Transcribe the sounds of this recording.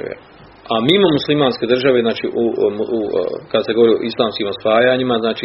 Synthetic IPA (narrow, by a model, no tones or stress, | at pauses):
ḛ | amiːmomuslimaːnskʲe̞d̪r̩ʒaʋe̞znaːt͡ʃḭʔṵ | kad̪aseɡo̞oɾio̰ʔislˠaːmskiːmo̞sʋaːjaɲimaznaːt͡ʃi